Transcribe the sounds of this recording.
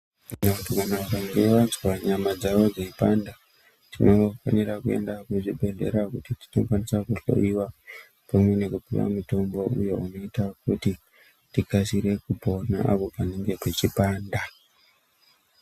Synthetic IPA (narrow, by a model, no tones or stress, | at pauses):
nakutiɡʱanaʋakaŋɡeʋad͡zwaɲamad͡zaʋo̞d͡zeipanda | tino̞fa̰nirakue̞̰ndakuʐibʱe̞ɮe̞̰ɾakutiti̥no̰kwanisakuɬo̞̰iwa | pamwe̞ne̞kupḭʋa̰muto̞mbo̞ujo̞̰uno̞itak̚uti | tikasiɾe̞kupona̰ʔa̰po̞paneŋɡe̞ket͡ʃipaːnda